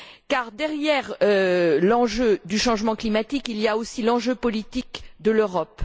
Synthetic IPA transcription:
kaʁd̪ɛʁjɛʁølɑ̃ʒød̪yʃɑ̃ʒmɑ̃klimat̪ikilijaosilɑ̃ʒøpɔlit̪ikd̪əløʁɔp

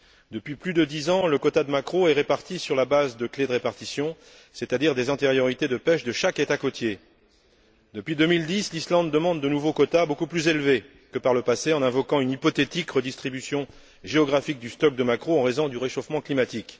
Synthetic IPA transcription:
d̪əpɥiplyd̪əd̪izɑ̃ləkɔt̪ad̪əmakχoɛʁepaʁt̪isyʁlabazd̪əkled̪əʁepaʁt̪isjɔ̃ | set̪ad̪iʁd̪ezɛ̃t̪eʁjɔʁit̪ed̪əpɛʃd̪əʃaket̪akot̪je | d̪əpɥid̪ømild̪islislɑ̃d̪ːəmɑ̃d̪ːənuvokɔt̪abokuplyzelve | kəpaʁləpaseɑ̃nɛ̃vɔkɑ̃ynipɔt̪et̪ikʁəd̪ist̪χibysjɔ̃ | ʒeɔɡʁafik̚d̪yst̪ɔk̚d̪əmakχoɑ̃ʁezɔ̃d̪yʁeʃofmɑ̃klimat̪ik

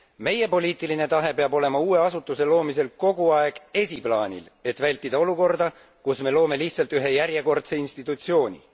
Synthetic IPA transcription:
me̞je̞po̞lʲiːt̪ːˑiline̞t̪ɑɦe̞peɑbo̞le̞mɑuːe̞ɑsut̪ːˑuse̞lo̞ːmise̞lko̞ɡ̥uɑe̞ɡ̥e̞sʲiplɑːnʲḭle̞t̪vælʲt̪ːˑid̪ɑo̞luko̞rd̪̥ɑ | kusme̞lo̞ːme̞liht̪sɑlt̪yɦe̞jæɾjeko̞rt̪se̞inst̪it̪ːˑut̪sio̞ːnʲḭ

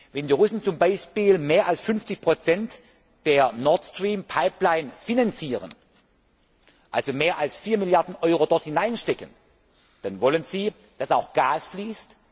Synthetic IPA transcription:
vɛndiːʁʊsn̩t͡sʊmbaɪʃpiːlmeːɐʔalsfʏnft͡sɪçpʁ̥ot͡sɛnt | d̥eːɐnɔɐtstʁ̥iːmpʰaɪplaɪnfinant͡siːʁən | ʔalzomeːɐʔalsfiːɐmiljaɐdn̩ʔɔʏʁodɔɐthɪnaɪnʃtɛkən | d̥anvɔlənziː | d̥asaʊxɡ̥aːsfliːst

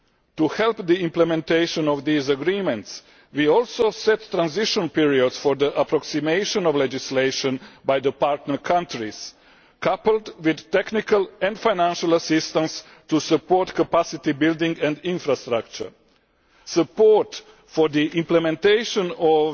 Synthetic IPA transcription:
tuhɛlˠpd̪iĩmplɛmɛ̃nt̪eɪʃɔ̃nɔʋd̪iːzəɡɾĩːmɛ̃nt̪s | wiɔlsoʊsɛt̪ːɾãnziʃɔ̃npiɹiod̪sfɔɾd̪əʔapɾɔksimeɪʃɔ̃nɔvled͡ʒisleɪʃɔ̃nbajd̪əpaɾt̪nəkʰãntɾis | kapəlˠdwid̪tɛknikalɛ̃ndfajnæ̃nʃalasɪst̪ãns | tusəpoɹt̪kapasɪt̪ibildɪ̃ŋɡɛ̃nd̪ĩnfɾast̪ɾak̚t͡ʃə̰˞ | səpoɹt | fɔd̪iʔĩmplɛmɛ̃nteɪʃɔ̃nɔv

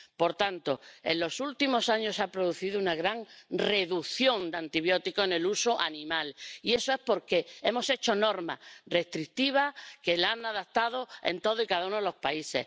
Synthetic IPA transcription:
po̞ɾt̪ant̪o̞e̞̰nllo̞sult̪imo̞saɲo̞sapɾo̞ð̞uθiðounaɣɾaŋre̞ðuθjõ̞nd̪ant̪iβjo̞t̪ikoene̞lusoʔanĩmalie̞soe̞spo̞ɾke̞e̞mo̞se̞t͡ʃo̞no̞ɾma̰re̞st̪ɾikt̪iβ̞ake̞lanaðakt̪að̞o̞e̞̰nt̪o̞ð̞oikaðaunoelo̞spaise̞̰h

